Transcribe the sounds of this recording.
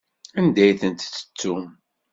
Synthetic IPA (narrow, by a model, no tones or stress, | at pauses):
ænd̪æjθənt̪t͡sːə̥t͡sːum